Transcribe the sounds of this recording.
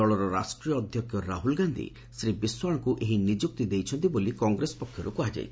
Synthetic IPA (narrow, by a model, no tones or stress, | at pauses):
ɔɭɔɾɔɾa̰sʈɾiɔːd̪ʱjɔkʰːjɔɾaɦulɡand̪ḭ | sɾibiswaɭ̃ɔkuʔeɦinid͡ʒuk̚t̪id̪ejt͡ʃʰɔnt̪ibolikɔŋɡɾesɔ̥pɔkʰjɔɾukuad͡ʒa̰jʰ